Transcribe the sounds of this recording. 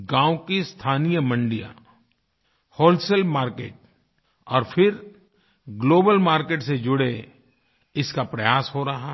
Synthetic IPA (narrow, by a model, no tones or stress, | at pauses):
ɡãːʊkist̪ʰaːnijəmɐ̃ɳɖija̰ | hoːlselbmaːɾkḛːʈ | ɔːɾfʰɪɾ | ɡloːbəlmaːɾkeːʈsed͡ʒʊɽe | ɪskapɾɐjaːsɦoɾɐɦa